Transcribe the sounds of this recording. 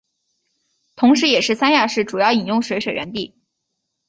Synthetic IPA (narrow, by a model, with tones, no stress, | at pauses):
t̪ʰʊ˧˥ŋʂɻ̩˧˥jɛ˨˩ʂɻ̩˥˩sa˥nja˥˧ʂɻ̩˥˩ʈ͡ʂu˨˩jɑ˥˩ʊi˨˩njʊ˥˩ŋʂwe˧˥ʂwe˨˩ɪɥə˧˥nt̪i˥˩